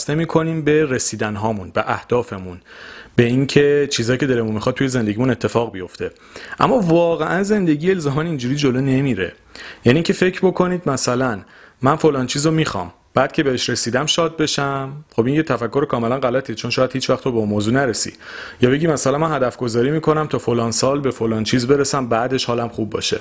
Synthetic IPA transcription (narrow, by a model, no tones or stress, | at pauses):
snemiːkʰo̞niːmbe̞ɾesiːd̪ænɦɒːmunbeʔæhd̪̥ɒːfe̞munb̥eiŋcʰe̞t͡ʃʰiːzɒːjiːcʰeeɾemunmixɒd̪̚tʰːuje̞ze̞nd̪eɟiːmune̞t̪ʰːe̞fɒːɣbijo̞ft̪ʰe̞ | ʔæ̰mːɒːvɒːɣeʔænze̞nd̪e̞ɟiːjeelzɒːmænind͡ʒuːɾiːd͡ʒolone̞miːɾe̞̰ | jæniːcʰe̞fe̞cʰɾbo̞kʰo̞niːd̪mæsælæn | mænfolɒːnt͡ʃʰiːzomiːxɒ̰m | b̥æːd̪̚cʰe̞beheʃɾe̞siːd̪æmʃɒːd̪̚be̞ʃæmχo̞binjet̪ʰæfækːo̞ɾekʰɒːme̞lænɢælæt̪ʰit͡ʃʰo̞nʃɒːjæd̪̥hiːt͡ʃvæχt̪obeunmoːzuːnæɾesḭ̥ | jɒːbe̞ɟimæsælænmænɦæd̪æfɡo̞zɒːɾiːmiːkʰo̞næmt̪ʰɒːfolɒːnsɒːlbe̞folɒːnt͡ʃʰiːzbe̞ɾesæmbæːd̪e̞ʃhɒːlæmχubːɒ̰ːʃe̞̰